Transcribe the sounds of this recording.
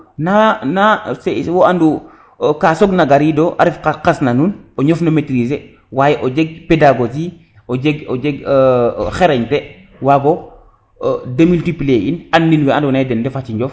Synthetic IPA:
nanasewoandu | kasoɡnaɡaɾidoʔa̰ɾifkakasnanunoɲofnometɾis̬e | wajeʔod͡ʒeɡ̚pedaɡod͡ʒi | od͡ʒeɡod͡ʒeɡ | xeɾeɲte | waɡo | demiltipleʔinanːinwɛandonadendefat͡ʃiɲd͡ʒof

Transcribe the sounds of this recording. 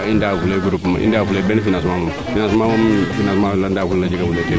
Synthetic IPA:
indafuleɡuɾupːuma̰ʔḭ̃ndaːfulebɛnfinãnsimamam | finãnsimamamfinãsmalandaːfullad͡ʒiɡafuleki

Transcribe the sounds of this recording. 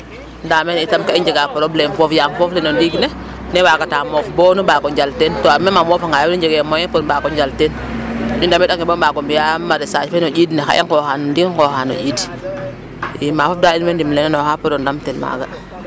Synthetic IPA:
ndamenitamkaiɲd͡ʒeɡapoɾoblemfofjamfoflenondiɡne | newaɡataːmofbonubakɔɲd͡ʒaltentoamemamofaŋajiɲd͡ʒeɡemojepoɾbakɔɲd͡ʒalten | ɲundamedaŋebomaɡomjamaɾisat͡ʃfenod͡ʒidnexa̰ḭŋkoxanndiŋkoxano̰ɟid | imaːfofdainmendimlenenɔhapoɾondamtɛnma̰ɡa

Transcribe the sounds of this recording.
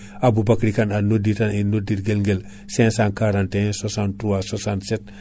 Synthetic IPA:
abubakɾikananoditaninodiɾɡelŋɡel | sɛ̃sãnkaɾãntẽsasãntuwasasantset̚

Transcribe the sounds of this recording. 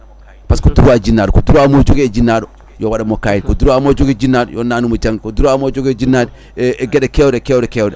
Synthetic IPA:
paskoduɾuad͡ʒinːadukoduɾamod͡ʒoɡed͡ʒinːadu | jowaɗamokajikoduɾuamod͡ʒoɡed͡ʒinːadṵjonanumod͡ʒaŋɡikoduɾuamod͡ʒoɡed͡ʒinːad | ɡedekewɾekewɾekewode

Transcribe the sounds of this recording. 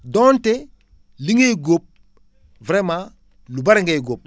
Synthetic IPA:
donte | liŋeɡop̚ | vɾema | lubaɾiŋɡejɡop̚

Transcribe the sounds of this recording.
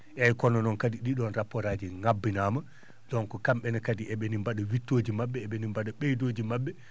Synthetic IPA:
ʔɛjkɔnɔnɔnkadiɗiɗɔnɾapːɔɾaːd͡ʒiŋabːinama | d̥ɔnkɔkamɓɛnakadiʔɛɓɛnimbaɗawitːoːd͡ʒimabːɛːɓɛnimbaɗaɓejdoːd͡ʒimabːɛ

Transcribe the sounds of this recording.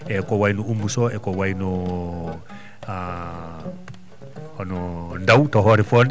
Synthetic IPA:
ɛkɔwainuumusɔɛkɔwainɔ | a | nɔndawtɔɦɔɾifɔn

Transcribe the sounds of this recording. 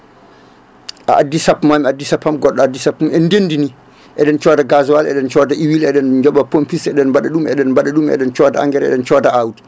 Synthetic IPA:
ʔa̰ʔadːisapːmamiadːisapːamɡɔɗːɔadːisapmumɛndendini | ʔɛɗɛnt͡ʃɔːdaɡazuwalɛ̰ɗɛnt͡ʃɔdaʔiwilɛɗɛnd͡ʒɔɓapompisɛɗɛnmbaɗaɗumɛ̰ɗɛnbaɗaɗumɛ̰ɗɛnt͡ʃɔdaa̰ŋɡɛɾɛ̰ɗɛnt͡ʃɔːdaawdi̥

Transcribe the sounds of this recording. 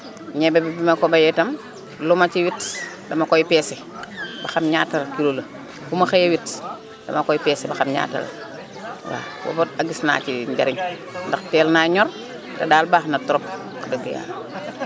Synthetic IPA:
ɲɛbɛbibimɐkɔbɐjɛtɐm | lumɐt͡ʃiwit | dɐmɐkɔjpɛːsɛ | bɐxɐmɲaːtːɐlkilolɐ | kumɐxejewit | d̥ɐ̰mɐkɔjpɛːsɛbɐxamɲa̰ːtɐ̰l̰ | wa̰ːwo̰botaɡisna̰ːt͡ʃiɲɟɐ̰ɾiɲ | ndɐxtɛːlnaːɲɔr | tɐdaːlbaːxnɐtɔɾɔp̚ | kadəɡija̰ːl

